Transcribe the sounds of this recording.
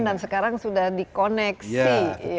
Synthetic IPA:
ndansəkaɾaŋsudahdikonɛksi

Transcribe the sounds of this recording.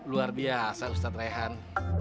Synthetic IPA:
luarbiasaust̪at̪̚raɦan

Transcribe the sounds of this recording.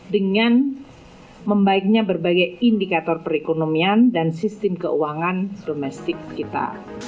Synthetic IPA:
dəŋan | məmbaɪk̚ɲabərbaɡajindikat̪ɔrpəɾekonomiandansist̪ɪmkə̰uwaŋand̥omɛst̪ɪkːit̪a̰

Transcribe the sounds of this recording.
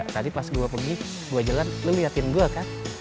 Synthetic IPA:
t̪adipasɡuapəɡi | ɡuad͡ʒalanləlujat̪ɪnɡuakan

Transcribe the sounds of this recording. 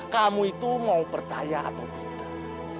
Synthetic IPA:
kamuit̪umaupərt͡ʃajaa̰t̪awt̪i̥t̪ʊ̥ʊ

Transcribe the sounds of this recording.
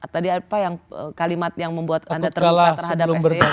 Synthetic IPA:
at̪adiapajaŋə̰kalimat̪jaŋməmbuat̪andat̪əralaat̪ərɦadaplubər

